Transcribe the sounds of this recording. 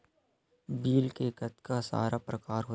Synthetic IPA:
biːlkekət̪kasa̰ːɾapɾɐkaːɾɦo

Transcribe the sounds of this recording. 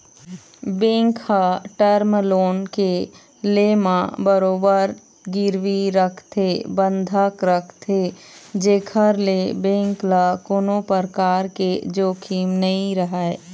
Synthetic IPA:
bẽːŋkhaʈəɾmloːnke | leːmãbəɾoːbəɾ | ɡɪɾʋiɾəkʰt̪ʰebə̃nd̪ʱəkɾəkʰt̪ʰed͡ʒeːkʰəɾlebẽːŋklakoːnopəɾkaːɾked͡ʒoːkʰiːmnəɦĩɾəɦae

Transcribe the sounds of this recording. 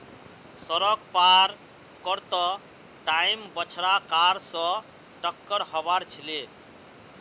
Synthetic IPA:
sɔɾɔk̚paɾ | kɔɾt̪ɔ | ʈajmbɔt͡ʃʰɽakaɾsɔ | ʈɔkːɔɾɦɔbaɾt͡ʃʰile

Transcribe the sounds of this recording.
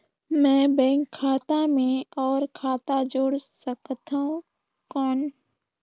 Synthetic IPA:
mɛ̃ːbɛ̃ːŋkʰːaːt̪amẽɔːɾkʰaːt̪ad͡ʒoːɽsəkt̪aũ | kɔːn

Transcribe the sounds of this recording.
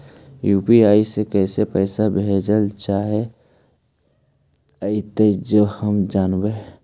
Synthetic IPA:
juːpiaːisekəɪsepəɪsabʱed͡ʒəlt͡ʃaːɦe | əit̪ed͡ʒohəmd͡ʒaːnbe

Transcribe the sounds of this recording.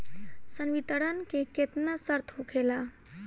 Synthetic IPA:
sənʋit̪əɽənkeket̪nasəɾt̪ʰɦukʰela

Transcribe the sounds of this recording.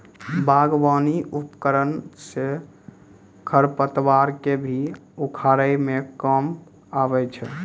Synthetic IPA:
baɡʋaniʔupkəɾənse | kʰəɾpət̪ʋaɾkebʱiukʰaɾəjmekəm | abɛt͡ʃʰɛ

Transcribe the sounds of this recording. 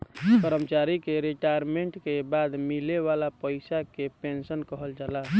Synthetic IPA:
pəɾəmt͡ʃaɾikeɾeʈajɾmeɳʈkebad̪mileβalapəjsakepensənkəɦəld͡ʒala

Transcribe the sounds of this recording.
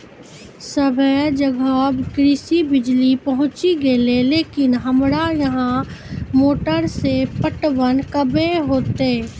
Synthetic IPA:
səbʱəd͡ʒəɡaːbɡɾɪsibɪd͡ʒlipɐɦʊ̃t͡ʃiɡeleleːkɪnɦəmɾajɐɦãmoːʈəɾsepəʈʋənkəbẽɦoːt̪eː

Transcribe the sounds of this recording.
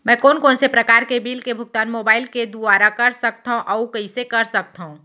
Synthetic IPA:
mɛ̃ːkɔːnkoːnsepɾəkaːɾkebiːlkebʱʊɡ̚t̪aːnmoːbaːɪlked̪uaːɾakɐɾsək̚t̪aɦõʔɔukɐisekɐɾsək̚t̪aɦũ

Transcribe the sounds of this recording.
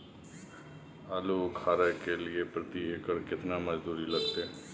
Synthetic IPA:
aːluːkʰaːɾəkelɪeːpɾət̪iːekəɾkɪt̪naːməd͡ʒd̪uːɾiləɡ̚t̪eː

